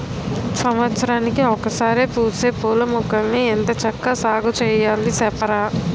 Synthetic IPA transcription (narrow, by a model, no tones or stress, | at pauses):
sɐmʋɐt̪sɐɾaːnikiɔkɐsaːɾepuːseːpuːlɐmukɐmːient̪ɐt͡ʃɐkːasaːɡut͡ʃɛːjaːlisɛpɐɾaː